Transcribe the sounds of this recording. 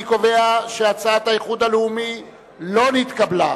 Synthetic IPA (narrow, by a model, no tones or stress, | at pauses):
ko̞ve̞aʃeat͡saat̪ajeχud̪aleumi | lo̞nit̪kabla